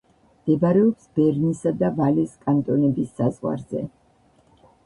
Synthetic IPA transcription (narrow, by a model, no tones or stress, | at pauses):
md̪̥ɛbaɾɛɔpsbɛɾnisad̪avaliskʼant̪ʼɔnɛbisːazʁwa̰ɾzɛ̰